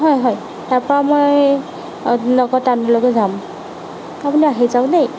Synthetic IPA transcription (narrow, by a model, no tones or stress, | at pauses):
ɦɔjɦɔj | taɹpɔɹamoj | nɔɡɔtanbɔlɔɡɔzam | apʊniaɦezaʊnej